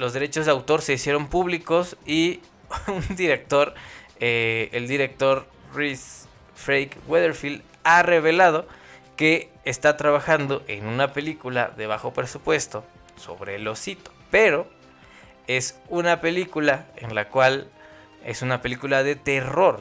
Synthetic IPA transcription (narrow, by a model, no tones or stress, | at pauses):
lo̞zðe̞ɾe̞t͡ʃo̞zðeawt̪o̞ɾse̞isje̞ɾo̞mpuβliko̞si | und̪iɾe̞k̚t̪oɾeeld̪iɾe̞k̚t̪o̞ɾ | ris | fɾejkɣweðeɾfild̪ | are̞β̞e̞laðo̞ke̞ː | st̪at̪ɾaβaxand̪o̞ʔe̞nunape̞likula̰ðe̞β̞axo̞pɾe̞supwe̞st̪o̞ | so̞̰βɾe̞̰lo̞sit̪o̞̥pe̞ɾo̞ | e̞sunape̞likulae̞̰nlakwal | e̞̰sunape̞likulaðe̞t̪e̞ro̞ɾ